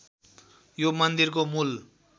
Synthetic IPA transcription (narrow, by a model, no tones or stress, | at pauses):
jomʌnd̪irkomul